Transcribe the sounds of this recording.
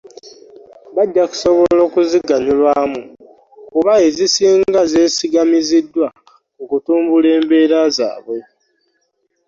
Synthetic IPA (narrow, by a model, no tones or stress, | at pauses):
βaɟːaku̥so̞βo̞lo̞ːkuziɡaɲulwaːmu | kuβae̞zisiːŋɡaze̞ːsiɡamizidːwa | kokutuːmbule̞ːmbe̞ːɾaza̰ːβwe̞